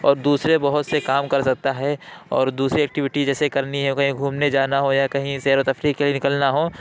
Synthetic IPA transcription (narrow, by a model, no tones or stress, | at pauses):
ɔːɾd̪uːsɾebɐɦʊt̪sekaːmkɐɾsɐk̚t̪aɦɛːɔːɾd̪uːsɾiɛːk̚ʈɪʋɪʈid͡ʒɛːsekɐɾniɦɛ̃okɐɦĩɡʱuːmned͡ʒaːnaɦojakɐɦĩsɛːɾot̪ɐfɾiːkːelienɪkəlnaɦoː